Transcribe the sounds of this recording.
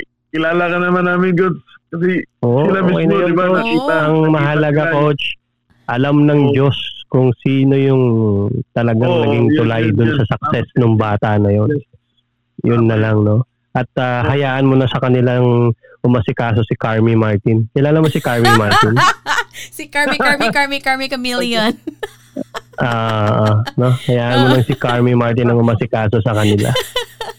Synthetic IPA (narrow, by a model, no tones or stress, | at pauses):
kɪlaːlɐkɐnːɐmanaːmɪnɡod̪̚ | kɐsɛʔoːʔɪlɐɪɐjnkot͡ʃ̪ːaɐŋmɐɦɐlɐɡakkowt͡ʃ | ʔɐlamnɐŋd͡ʒo̞skʊŋsiːno̞jʊŋt̪ɐlɐɡaŋnɐɡiŋt̪ʊlajd̪ʊnsɐsɐk̚sɛsnoŋbaːt̪ɐnɐjo̞n | jʊnːɐlaŋno̞ | ʔɐt̪̚ahɐjaːʔɐnmonɐsɐkɐnɪlaŋ | ʔʊmɐsɪkaːso̞sɪkaɹmimaɹt̪ɪnkɛlaːlɐŋmosɪkaɹmimaɹt̪ɪn | sikaɹiaɹmikaɹmikaɹmikɐmiljon | ʔoːʔʔono̞hɐjaːʔɐnmonɐŋsɪkaɹmimaɹt̪ɪnɐŋʊmasɪkaːso̞sɐkɐnɪla̰